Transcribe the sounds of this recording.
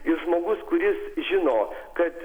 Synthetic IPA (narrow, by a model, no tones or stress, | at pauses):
ɪɾʒmoːɡʊskʊɾʲɪsʒʲɪnoːkɐt̪